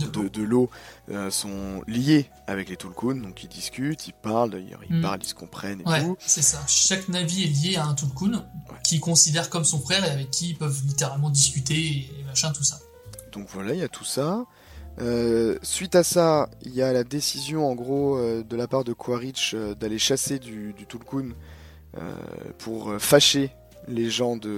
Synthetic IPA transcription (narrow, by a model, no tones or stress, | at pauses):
d̪d̪əd̪əloøsɔ̃lje | a̰vɛklet̪ulkund̪ɔ̃kʲild̪iskʲyt̪ʰilpaʁld̪a̰jœ̰ʁḭlpa̰ʁlisə̥kɔ̃pχɛnewtɛusɛsaʃaknaviɛljeaɛ̃t̪ulkunwɛkʲʰikɔ̃sid̪ɛʁkɔmsɔ̃fχɛʁeavɛkʰʲːiːlpœvlit̪eʁalmɑ̃d̪iskʲyt̪eemaʃɛ̃t̪usa | d̪̥ɔ̃kvwalailjat̪ʰu̥sa | øsɥit̪asaḭljalad̪esizjɔ̃ɑ̃ɡʁoød̪əlapaʁd̪əkʰwaʁit͡ʃød̪aleʃased̪yd̪yt̪ulkun | ø̰pʰuʁøfaʃe | leʒɑ̃d̪ə